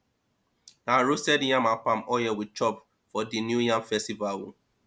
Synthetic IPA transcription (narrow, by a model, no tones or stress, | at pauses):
naɹusɛdjãmapãmɔjɛwit͡ʃɔp | fɔdinjujãmfɛstivalwṵ̃